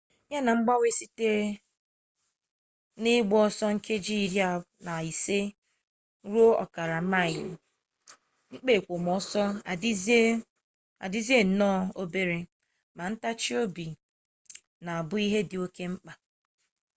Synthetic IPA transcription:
ɲa˦na˨ŋ͡m̩˦ɡ͡ba˦we˦si˦te˦ | nɪ˦ɡ͡bɔ˦ɔ˦sɔ˦ŋ̩˦kʰe˦d͡ʒi˦i˨ɾja˦ | na˨i˨se˦ | ɾu˦o˦ɔ̰˨ka˨ɾa˨ma˦˨ɪ˨l | ŋ͡m̩˦k͡pe˦˨kʷo˨m˨ɔ˨˦sɔ˦˨d | a̰˨dɪ˦zi˦e˦n̩˨nɔ˦˨o˦be˦ɾe˨ | ma˨n̩˦ta˦t͡ʃi˦o˦bi˨ | na˨a˨bʊ˦i˦ɦe˦dɪ˨o˦ke˦ŋ͡m̩˦k͡pa˨

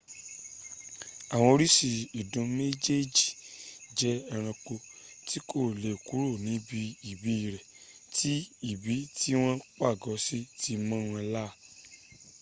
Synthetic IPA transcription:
a˨w̃ɔ̃˧o˧ɾi˦si˧i˨dũ˨˧me˦d͡ʒe˦d͡ʒi˨d͡ʒɛ˦ɛ˧ɾ̃ã˧k͡po˧ti˦ko˦˨le˨ku˨˦ɾo˦˨nĩ˨˦bi˧i˨bi˨˦i˦˨ɾɛ˨ | ti˦i˦˨bi˨˦ti˦w̃ɔ̃˦k͡pa˦˨ɡɔ˨˦si˦ti˦mɔ̃˦ɾ̃ɛ˧la˦˨

